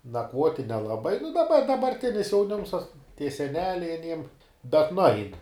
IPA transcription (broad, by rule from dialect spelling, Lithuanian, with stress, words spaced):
nɐkˈʋuɔtʲɪ nʲɛlˠɐˈbɐɪ nʊ dɐˈbɐ dɐbɐrʲˈtʲɪnʲɪs jɛʊˈnʲɪms tɐs tʲiɛ sʲɛˈnʲæːlʲɛɪ ɐˈnʲiɛm bʲɛt nʊˈɐɪn